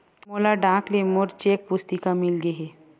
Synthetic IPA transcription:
moːlaɖãːklemoɾt͡ʃeːk̚pʊst̪ikamɪlɡeɦeː

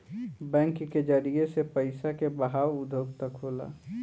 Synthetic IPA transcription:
bɛ̃ːŋkːed͡ʒəɾiesepəɪsakebəɦaːwʊd̪ʱoːɡ̚t̪əkɦoːla̰ː

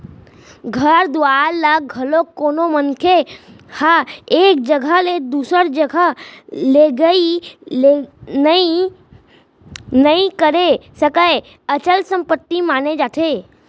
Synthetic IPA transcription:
ɡʱəɾd̪ʊaːɾləɡʱəlokoːnomənkʰe | həeːk̚d͡ʒəɡʱəled̪uːsəɾd͡ʒəɡʱəleɡəilenəi | nəĩkəɾesəkəe | ət͡ʃəlsə̃mpət̪ːimaːned͡ʒaːt̪ʰe

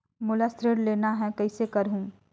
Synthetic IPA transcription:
mʊlasɾɪɾleːnaɦɛkɐɪsekɐɾɦũː

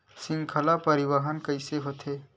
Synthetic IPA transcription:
sɪ̃ŋkʰəlapɐɾɪwaɦənkəɪseɦoːt̪eː

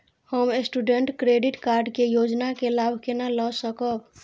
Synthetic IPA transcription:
həmesʈuɖeɳʈkɾeɖiʈkaɾɖkejod͡ʒnakelabʱkenalɔsəkəb

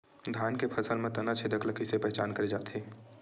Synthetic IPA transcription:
d̪ʱaːnkepʰəsəlmẽt̪ɐnat͡ʃʰed̪əkləkɪsepɛɦɛt͡ʃaːnkəɾed͡ʒaːt̪ɦeː

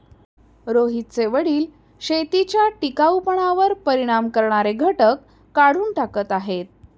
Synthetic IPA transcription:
ɾoɦit̪̚seʋəɽiːl | ɕet̪it͡ɕjaʈikawpəɳaʋəɾpəɾiɽ̃amkəɾɳaɾeɡʱəʈəkː | aɽ̤uːnʈakət̪aɦet̪̚

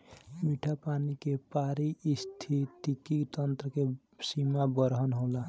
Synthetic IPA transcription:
miʈʰapanikepaɾiist̪ʰit̪ikikt̪ənt̪ɾəke | simabəɾɦənɦola

